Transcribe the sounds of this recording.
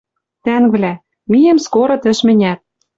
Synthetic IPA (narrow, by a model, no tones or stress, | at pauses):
t̪æŋvlʲæ | mijɘ̆mskoɾɤ̆t̪ɘ̆ʃmɘ̆nʲæt̪̚